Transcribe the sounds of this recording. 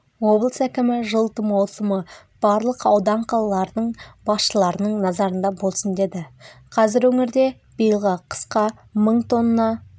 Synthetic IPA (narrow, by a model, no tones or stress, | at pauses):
wo̞blˠəsækʲɪmɪʒəlˠt̪əmɑwˠsəmə | b̥ɑɾlˠəqɑwd̪ɑɴqʰɑlˠɑlˠɑɾd̪əɴbɑsʃəlˠɑɾənəɴnɑzɑɾənd̪ɑbo̞lˠsənd̪e̞d̪ɪqʰɑzɪɾwɵŋɪɾd̪e̞ | b̥ijəlˠʁɑqʰə̥sqɑ | məɴt̪ʰo̞nnːɑ